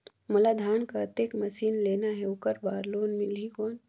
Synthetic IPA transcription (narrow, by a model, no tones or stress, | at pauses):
mɐlaːd̪ʱaːnkaɐt̪ekmɐʃiːnleːnaɦɛʊkəɾbaːɾloːnmɪlɦikoːn